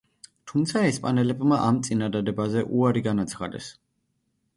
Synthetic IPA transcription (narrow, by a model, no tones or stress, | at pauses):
t̪ʰumt̪sʰaɛspʼanɛlɛbmaʔamt̪sʼinad̪ad̪ɛbazɛʔuaɾiɡanat̪sʰχa̰d̪ɛ̰s